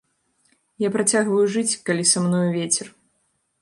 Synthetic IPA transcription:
japɾat͡sʲaɣvɐjuʐɨt͡sʲkalʲisamnɔjuvʲet͡sʲɛr

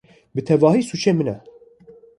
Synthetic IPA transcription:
bɨt̪ʰɛvɑːɦiːsut͡ʃʰeːmɨnɛ

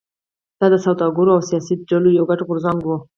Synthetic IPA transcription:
d̪̥ɑd̪əsawd̪ɑɡʊɾoawsijɑsiɖalujawɡaʈɣʊɾzaŋɡwu

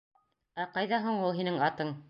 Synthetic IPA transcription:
æqɑjðɑɦuɴulˠɦinɘŋɑt̪ɤɴ

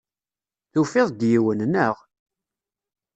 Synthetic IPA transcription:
θufɪðˤd̪jiwənnəʁ

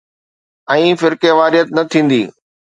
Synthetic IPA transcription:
ɛ̃ːfɪɾkeʋaːɾijət̪nɐt̪ʰĩːn̆d̪iː

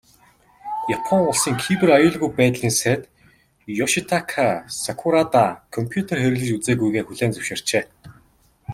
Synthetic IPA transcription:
japʰɔŋʊɮsiːŋkʰipɘ̆rajʊːɮɣujpæːt̪ɮiːnŋset̪ | jɔʃit̪ʰakʰasakʰʊɾat̪akʰɔmpʰjut̪ʰerxeɾɘ̆ɣɮɘ̆t͡ɕut͡seːɣujɣeːxuɮeːnt͡sɵwʃɪ̆ːr̥t͡ɕeː

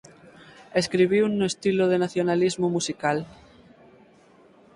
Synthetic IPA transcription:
eskɾiβ̞iunːoest̪iloð̞enaθjonalizmomusikal

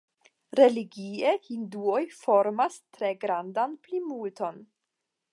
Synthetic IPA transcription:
ɾe̞liɡiehinduo̞jfo̞ɾmastɾe̞ɡɾandanplimulto̞n

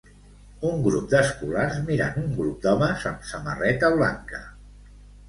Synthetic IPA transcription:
uŋɡɾup̚d̪əskularzmiɾa̰nuŋɡɾup̚d̪ɔməzəmsəmə̰rɛt̪əβla̰ŋkə

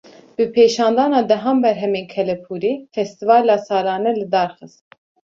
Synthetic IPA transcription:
bɨpʰeːʃɑːnd̪ɑːnɑːd̪ɛɦɑːmbɛɾɦɛmeːnkʰɛlɛpʰuːɾiːfɛst̪ivɑːlɑːsɑːɾɑːnɛlɨd̪ɑːɾxɨst̪

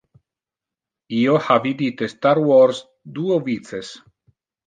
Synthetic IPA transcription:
iohavid̪it̪est̪aɾwɔɾs | d̪uovit̪t͡ses

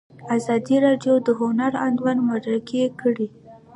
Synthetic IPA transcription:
azɑd̪iɾɑɖjod̪əɦʊnaɾand̪wanmad̪ɾakekəɽi

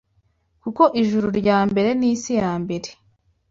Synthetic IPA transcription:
kuko̞ʔiʒuɾuɾɟaːmbe̞ɾe̞niːsijaːmbe̞ɾe̞

